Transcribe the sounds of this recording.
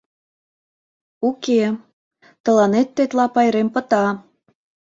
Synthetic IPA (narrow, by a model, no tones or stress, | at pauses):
uke | t̪ə̆lɑnet̪ːet̪lɑpɑjɾempə̆t̪ɑ